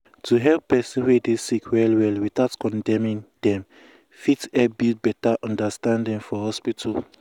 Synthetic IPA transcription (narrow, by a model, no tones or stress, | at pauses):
tʰuɦɛlpːɛsĩnwedesikʰwɛlwɛlwiθaʊtkɔ̃ndɛ̃mĩnd̥ɛ̃m | fitɛbitbɛtaʔɔ̃ndastãndĩŋfɔhɔspitʰal